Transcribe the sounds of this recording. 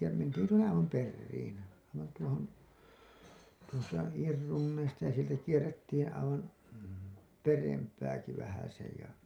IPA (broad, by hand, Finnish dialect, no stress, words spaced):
jɑ mentiːn tuonːe ɑiʋɑm perːiːn ɑiʋɑn tuohon tuostɑ iːr runːeistɑ jɑ sieltæ kierːetːiːn ɑiʋɑn perempæːki ʋæhæsej jɑ